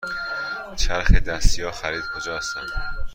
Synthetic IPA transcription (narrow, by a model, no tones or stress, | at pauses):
t͡ʃʰæɾxed̪æst̪ijɒːxæɾiːd̪̚kʰod͡ʒɒːst̪æn